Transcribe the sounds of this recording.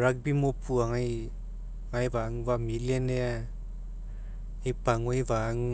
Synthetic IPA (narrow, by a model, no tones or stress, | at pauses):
ɾak̚bimopʰuaŋaj | ŋajbaŋbamilenea | ejpaŋojbaŋ